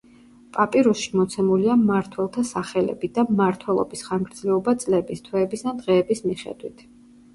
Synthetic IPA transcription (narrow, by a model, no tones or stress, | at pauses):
pʼapʼiɾusʃimɔt̪sʰɛmuliamaɾt̪ʰwɛlˠt̪ʰasaχɛlɛ̰bid̪amaɾt̪ʰwɛlˠɔ̰bisχanɡɾd̪zlɛɔbat̪sʼlɛbist̪ʰwɛːbisd̪ad̪ʁɛːbismiχɛ̰d̪wit̪ʰ